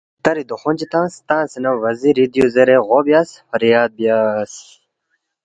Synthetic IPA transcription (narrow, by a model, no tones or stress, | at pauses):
t̪ɐɾid̪uxond͡ʑit̪ãːst̪ãːsinɐʋɐziɾid̪ijozeɾeɣoːbijaːsfɐɾijaːd̪̚bijas